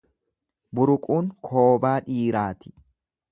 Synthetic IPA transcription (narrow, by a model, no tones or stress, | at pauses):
bʊɾʊkʼuːŋkʰo̞ːbaːᶑiːɾaːt̪ɪ̥